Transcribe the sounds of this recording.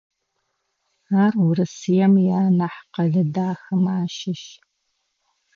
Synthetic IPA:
aːrwʊɾɨsɨjɛmjaːnɐħqɐɮɐdaːxɐmaːʃɪʃ

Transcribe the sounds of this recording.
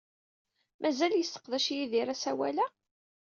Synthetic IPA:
mʔæzæljəsːə̥qðæʃjiðiɾæsæwæ̰læ

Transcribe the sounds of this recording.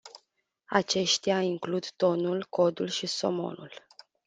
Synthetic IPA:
at͡ʃe̞ʃt̪eaiŋklud̪t̪o̞nulko̞d̪ulʃiso̞̰mo̞̰nṵl

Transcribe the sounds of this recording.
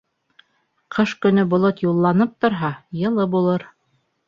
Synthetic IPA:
qʰɤʃkɵ̆nɵbŏlˠot̪julˠːɑnɤp̚t̪ŏɾɦɑjɤ̆lˠɤbulˠɤɾ

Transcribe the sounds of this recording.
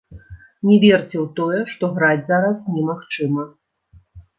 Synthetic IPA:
nʲɛvʲɛrt͡sʲɛwt̪ɔjɛʂt̪ɔɣɾad͡zʲzaɾɐsnʲɛmaxt͡ʂɨmɐ

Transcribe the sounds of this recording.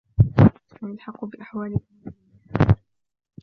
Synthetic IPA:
analħɑqːbɪʔaħwaːlɪ

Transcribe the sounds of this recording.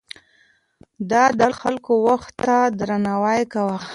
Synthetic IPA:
d̪ɑd̪əxalkowaxt̪ːad̪ɾanɑwajkawa

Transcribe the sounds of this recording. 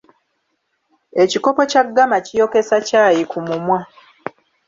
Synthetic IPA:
e̞ciko̞po̞caɡːamacijo̞ke̞sacaːjikumumwa

